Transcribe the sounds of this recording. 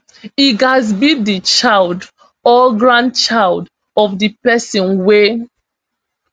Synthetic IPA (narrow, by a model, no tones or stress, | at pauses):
iɡazbidit͡ʃaɪld | ɔɡɹãn̚t͡ʃaɪld | ɔfdipɛsɔ̃nwe